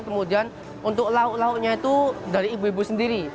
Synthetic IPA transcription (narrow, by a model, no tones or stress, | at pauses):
kəmud̪ian | unt̪ʊk̚lauʔlauʔɲait̪udaɾiːbuibusəndiɾi